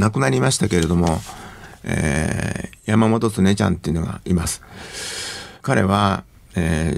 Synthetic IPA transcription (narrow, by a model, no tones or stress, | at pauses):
nakɯ̟naɾʲimaɕi̥t̪ake̞ɾe̞d̪o̞mo̞ | ḛ | jamamo̞t̪o̞t͡sɨne̞t͡ɕã̰nt̪ːeiɯ̟no̞ɡa̰imasɨ̥ | kaɾe̞̰βa | eː